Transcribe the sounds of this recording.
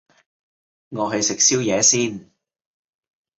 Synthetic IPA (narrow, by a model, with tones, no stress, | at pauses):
ŋɔː˨˧ɦɐ˨jsɪ˨k̚siː˥wjɛː˨˧siː˥n